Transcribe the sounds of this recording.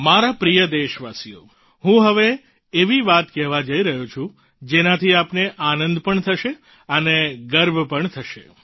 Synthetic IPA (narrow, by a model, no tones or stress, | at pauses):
maɾapɾijəd̪eʃʋasijo̰ | ɦũɦəʋe | eʋiʋat̪kɛɦʋad͡ʒəiɾəɦut͡ʃʰũ | d͡ʒenat̪ʰiapneʔanənd̪pəɳt̪ʰəʃe | əneɡəɾbʱpəɳt̪ʰəʃḛ